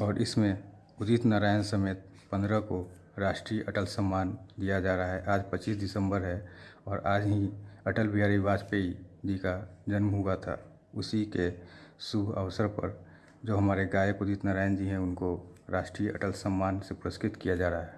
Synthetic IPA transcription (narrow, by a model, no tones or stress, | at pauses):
ɔːɾɪsmẽ | ʊd̪it̪naːɾaːjənsəmeːt̪̚ | pə̃nd̪ɾəko | ɾaːʃʈɾiːʔəʈəlsəmːaːnd̪ijad͡ʒaːɾaaɦɛʔaːd͡ʒpət͡ʃiːsd̪ɪsə̃mbəɾɦɛɔːɾʔaːd͡ʒɦĩəʈəlbiɦaːɾibʱaːd͡ʒpeid͡ʒikad͡ʒənmɦuɡat̪ʰa̰ | ʊsikesʊbʱə̰ʋsəɾpə̰ɾ | d͡ʒoːɦəmaːɾeɡaːjəkʊd̪it̪naːɾaːjnd͡ʒiɦɛ̃ʊnkoɾaːʃʈɾiːjəə̰ʈəlsəmːaːnsepɾəskɪt̪kijad͡ʒaːɾaaɦɛː